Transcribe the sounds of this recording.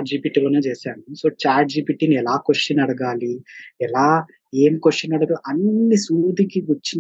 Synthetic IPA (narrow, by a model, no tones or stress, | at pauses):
ʈ̚d͡ʒiːpiːʈiːlɐneːt͡ʃeːsaːɳuso̞ːt͡ʃaːɾʈ̚d͡ʒiːpiʈiːniɛlaːkoʂʈːɐnɐɽɐɡaːliɛlaː | eːmikoʂʈjɐnɐɽɐɡɐʔɐnːisuːd̪ikiʋɐt͡ʃːin